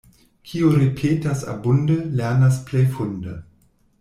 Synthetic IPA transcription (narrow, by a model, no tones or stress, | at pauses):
kʰioɾepʰeːtasa̰bundəlɛɐnasplejfundə